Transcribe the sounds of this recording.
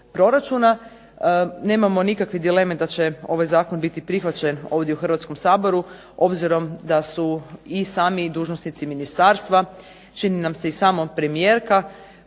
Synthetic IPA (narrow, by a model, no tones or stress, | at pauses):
pɾo̞ɾat͡ʃuna | ne̞ːmamo̞nikakʋid̪ilemed̪at͡ɕe̞o̞ʋajzaːkonbit̪ipɾixʋat͡ɕeno̞ːʋd̪jeuxɾr̩ʋat̪sko̞msaːbo̞ɾu | o̞bziɾo̞md̪asuisaːmid̪uːʒnosnit̪siminist̪aːɾst̪ʋa | t͡ʃininamse̞isaːmopɾe̞mije̞ːɾka